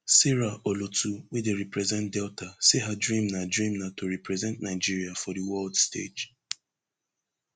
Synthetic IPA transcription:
sɛɹaʔolotuwedeɹipɹɛzɛ̃ntdɛltʰaseɦadɹĩmnadɹĩmnatoɹɛpɹɛzɛ̃ntnaɪd͡ʒiɹiafɔdiwɛldstḛd͡ʒ

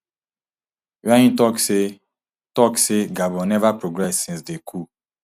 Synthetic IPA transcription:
wajĩtɔkse | tɔkseɡabɔ̃nɛvapɾoɡɾɛsːĩsdekʰu

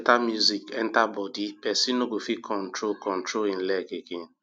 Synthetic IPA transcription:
tamjuzikɛn̩tabɔdipɛsinoɡofikʰɔn̩tɾokɔn̩tɾoin̩lɛkekin̩

